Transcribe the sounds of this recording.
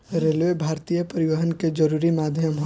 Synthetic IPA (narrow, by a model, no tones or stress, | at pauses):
ɾeːlʋebʱaːɾt̪ijəpəɾɪʋəɦənked͡ʒəɾuːɾimaːd̪ʱjəmɦ